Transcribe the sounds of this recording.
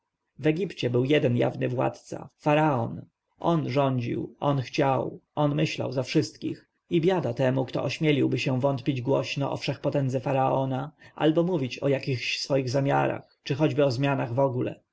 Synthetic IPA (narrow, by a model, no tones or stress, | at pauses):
vɛɡʲipt͡ɕɛbɘwjɛd̪ɛnja̰vnɘvwa̰t̪t̪sa̰faɾaɔn | ʔɔnʐɔɲd͡ʑḭwɔnxt͡ɕawɔnmɘɕla̰wzafʂɘst̪kʲix | ibʲjad̪at̪ɛmukt̪ɔ̰ʔɔɕmʲɛlʲiwbɘɕɛ̃vɔnt̪pʲid͡ʑɡwɔɕnɔ̰ʔɔ̰fʂɛxpɔt̪ɛnd̪zɛfaɾaɔnaʔa̰lbɔmuvʲit͡ɕɔjakʲixɕsfɔjiɣzamʲja̰ɾa̰x | t͡ʂɘxɔd͡ʑbɘɔzmʲjanaɣvɔɡulɛ̰